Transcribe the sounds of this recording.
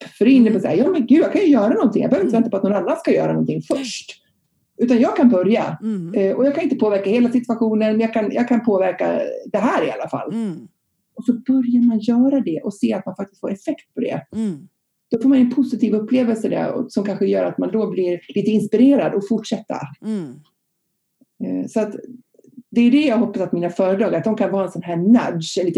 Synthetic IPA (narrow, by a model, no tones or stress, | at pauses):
fœɾɛɪnːəpɔsa̰hajɑːmɛnɡʉ̟ːjɑaɡkʰanjʏjœːɾanɔnt̪ʰɪŋj̰ɡbœœvɾɪnvɛt̪apɔt̪nɔnanːanskajœ̰ːɾanɔ̰nt̪ʰɪŋfœʂʈ | ʔʉ̟ːt̪anjɑːɡ̚kʰanbœɾja̰ɛʔɔjɑːɡkʰanɪnt̪əpʰoːvæɾkaheːlasɪt̪vaɧuːnənmɛnjɑːɡkʰanjɑ̰ːkʰanpʰoːvæɾka̰d̪ɛɦæːɾɪa̰lːafa̰lː | ʔɔsɔbœɾjaɾmanjœːɾad̪ɛʔɔseːat̪̚manfak̚t̪ɪst̪foːɾɛfɛkt̪̚pʰɔd̪ɛ̰ | d̪̥ɔfoːɾmanɛnpʰʊsɪt̪ʰiːvɵpʰːleːvəlsəd̪ɛ̰ɔ̰sɔmkʰanɧəjœːɾat̪mand̪ɔblɪɾliːt̪əɪnspɪɾeːɾad̪ɔfʊʈʂɛt̪ːa̰ | sɔat̪ | d̪ɛjɵd̪ɛjɑːɡɦɔpːasat̪miːnafœːɾəd̪ɾɑːɡaɾat̪̚d̪ɔmkʰanvɑːɛnsɔnɦæːna̰d̪ʂɛliːt̪